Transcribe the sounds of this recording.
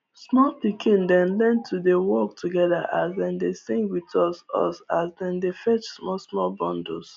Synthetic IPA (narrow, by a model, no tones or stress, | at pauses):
smɔlpikʰĩndɛ̃nlɛ̃ntʰːudewɔk̚tʰuɡɛða̰ʔasdɛ̃ndesĩŋɡwitɔsɔ̰sasdɛ̃ndefɛt͡ʃsmɔsmɔlbɔ̃ndo̰s